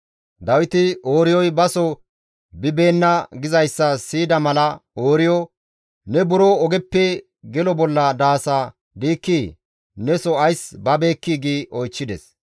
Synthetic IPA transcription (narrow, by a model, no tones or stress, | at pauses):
d̪ɐwɪt̪ɪoːɾɪjɔjbɐsɔ | bɪbe̞ːnːɐɡɪzɐjsːɐsiːd̪ɐmɐlɐoːɾɪjɔ | nɛbʊɾɔɔɡɛpːɛ | ɡɛlɔbɔlːɐd̪aːsa | d̪iːkːiː | nɛsɔɐjsbɐbe̞ːkːiːɡiːʔɔjt͡ʃːɪd̪ɛs